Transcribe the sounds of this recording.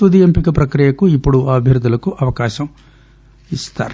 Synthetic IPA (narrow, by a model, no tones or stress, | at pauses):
ud̪ijɐmpikɐpɾɐkɾijɐkuipːuɽuaːbʱjɐɾd̪ːulɐkuʔɐʋɐkaːʃɐm | ist̪a̰ːɾ